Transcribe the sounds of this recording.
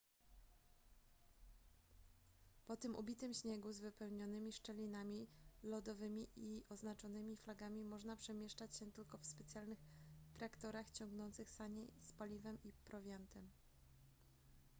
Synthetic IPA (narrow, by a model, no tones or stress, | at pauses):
pɔt̪ɘmʔṵbʲit̪ɘmɕɲɛɡuzvɘpɛwɲɔnɘmʲiʂt͡ʂɛlʲinamʲilɔd̪ɔvɘmʲiʔiʔɔznat͡ʂɔnɘmʲiflaɡamʲimɔʐnapʂɛmʲjɛʂt͡ʂat͡ɕɕɛt̪ɘlkɔfspɛt̪sʲjalnɘxt̪ɾakt̪ɔɾaxt͡ɕɔŋɡnɔnt̪sɘxsaɲejspalʲivɛmipɾɔvʲjant̪ɛm